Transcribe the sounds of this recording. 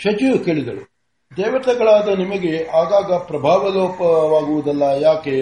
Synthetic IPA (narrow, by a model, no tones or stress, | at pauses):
ʃɐt͡ʃuke̞ːɭid̪ɐɭe | d̪ɛːʋɐt̪ɐɡɐɭaːd̪ɐnimɐɡe̞aːɡaːɡɐpɾɐbʱaːʋɐloːpɐʋaːɡuʋud̪ɐlːɐjaːke